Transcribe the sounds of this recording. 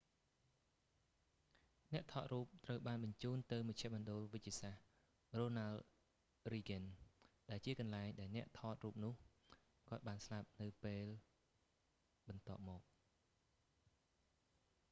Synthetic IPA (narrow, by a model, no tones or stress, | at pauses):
nɛ̆əʔt̪ʰɑːt̪ruːp̚t̪rəwɓaːnɓɑɲt͡ɕuːnt̪ɨwmɑc̚t͡ɕʰɛ̆əʔmɔənɗolʋɨc̚t͡ɕiəsah | roːnal | riːɡənɗaɛlt͡ɕiəkɑnlaɛŋɗaɛlnɛ̆əʔt̪ʰɑːt̪̚ruːp̚nʊ̆əh | kŏət̪̚ɓaːnslap̚nɨwpeːl | ɓɑnt̪ŏəp̚mɔːk̚